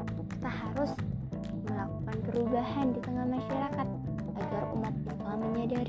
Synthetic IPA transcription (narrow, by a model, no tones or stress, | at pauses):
ki̥t̪ahaɾʊs | məlakukanpəɾubahandit̪əŋahmaʃaɾakat̪̚ | aɡarṵmat̪̚aaməɲadaɾ